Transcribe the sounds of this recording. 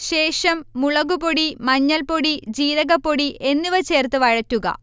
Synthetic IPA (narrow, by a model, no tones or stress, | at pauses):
ɕe̞ːʂɐmːuɭɐɣuboɽimɐɲːɐlpo̞ɽid͡ʑiːɾɐɣɐpoɽiʔe̞nːiʋɐt͡ɕe̞ːrt̪ɨʋɐɻɐtːuɣɐ̰